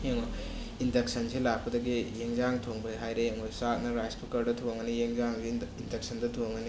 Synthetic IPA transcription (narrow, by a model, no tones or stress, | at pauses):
eŋɔ | indeksɐnselak̚pɐdɐɡijeŋzaŋtʰoŋbɯɦajɾeeŋɔjsat̚nɐɾajspukɐɾdɐtʰoŋɐnijeŋzaŋsindek̚sɐndɐtʰoŋɐni